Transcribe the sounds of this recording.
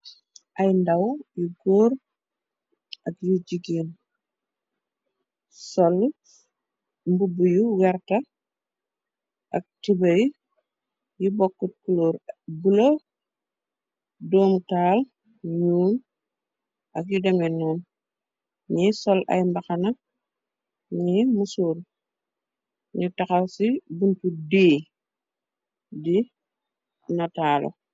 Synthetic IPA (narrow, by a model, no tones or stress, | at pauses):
ʔɐjndɐwjuɡoːɾ | ʔɐkjiɟiɡiːn | sɔl | mbubujuwɛɾtɐ | ʔɐk̚tibɐj | jibɔkːut̚kuloːɾbulo | doːmtaːl | ɲuːn | ʔɐk̚jidɐmɛnːɔːn | ɲisɔlʔɐ̰jmbɐxɐnɐ | ɲimusuːɾ | ɲutɐxasibuntudeː | di | nɐtaːlo̰